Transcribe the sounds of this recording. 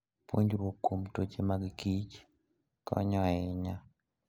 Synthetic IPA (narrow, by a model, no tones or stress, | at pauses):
po̰ɲd͡ʒɾokomtot͡ʃemaɡɡit͡ʃ | kɔ̰ɲɔɛɲa